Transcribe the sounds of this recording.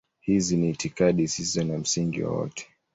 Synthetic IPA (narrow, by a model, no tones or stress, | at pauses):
hiziniːtikaɗisisɔnam̩siŋɡḭwa̰wɔ̰tʰɛ̥